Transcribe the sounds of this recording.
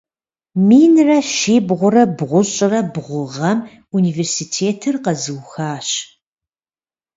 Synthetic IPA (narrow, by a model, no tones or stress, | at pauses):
miːnrɐʃiːbʁʷʊrɐbʁʷʊɕʼɪrɐbʁʷʊʁɐm | uniːveːrsitʰeːtʰɨrqɐzɨwxaːɕ